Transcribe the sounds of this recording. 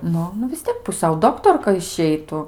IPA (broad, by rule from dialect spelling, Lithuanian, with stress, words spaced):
ˈnʊ nʊ ʋʲɪs ˈtʲiɛk pʊˈsʲɛʊ ˈdoːktoːrkɐ ɪʃʲˈɛɪtʊ